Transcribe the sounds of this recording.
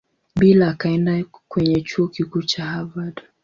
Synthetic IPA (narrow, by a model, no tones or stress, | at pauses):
ɓilaːkaɛndakwɛɲɛt͡ʃuɔkikut͡ʃahavadɔ